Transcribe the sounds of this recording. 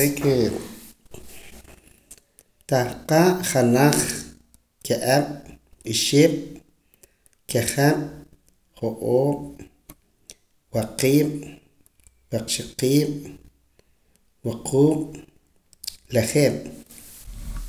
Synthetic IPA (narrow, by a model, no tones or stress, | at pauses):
eke | t̪ahqaːʔχanaχ | keʔaɓ̥ɓiʃiɓ̥ | keχaɓ | χoʔoːɓ | waqiːɓ | waqʃiqiːɓ̥ | waqʰuːm | leχeːɓ̥